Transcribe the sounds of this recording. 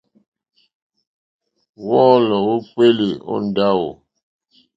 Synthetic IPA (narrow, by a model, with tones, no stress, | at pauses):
wɔ˦lɔ˨wo˦pe˦li˨o̰˦n˨da˦wo̰˨